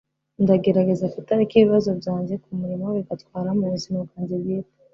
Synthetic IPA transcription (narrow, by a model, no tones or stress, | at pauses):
ndaɡe̞ɾaɡe̞zafitaɾikiβiβazo̞bjaːɲɟekumuɾimoβiɡatkwaːɾamuɾizinoɡaːɲɟeɾjeː